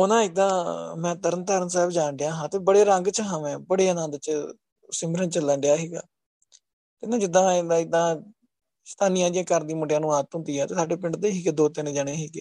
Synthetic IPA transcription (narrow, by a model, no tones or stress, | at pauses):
onãːɪd̪ãːmɛ̃ːt̪əɾənt̪əːɾənsɛːbd͡ʒaːnɖɪjãːɦãːt̪eːbəɽeːɾə̃ŋɡt͡ʃəɦãːʋɛ̃ːbəɽeːnãːd̪ət͡ʃ | sɪmbɾənt͡ʃəlɛːɳɖɪjaːɦiːɡa̰ː | t̪ed̪ãːd͡ʒɪd̪ːãːɪd̪ãːɪd̪ãː | st̪aːnɪjãːd͡ʒijãːkəɾd̪iːməɖjãːnũːaːt̪ɦʊ̃nd̪iːɛːt̪eːsaːɖeːpɪ̃ɳɖd̪eːɦiːɡd̪oːt̪enẽːd͡ʒaːɽ̃eːɦiːɡeː